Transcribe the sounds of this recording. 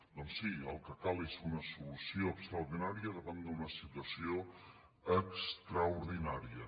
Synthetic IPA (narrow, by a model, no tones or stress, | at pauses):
d̪̥ɔnsːiəlˠkəkalˠezunəsulusioəkst̪ɾəuɾðinaɾiəðəβand̪unəsit̪uəsio | əkst̪ɾəuɾðinaɾiə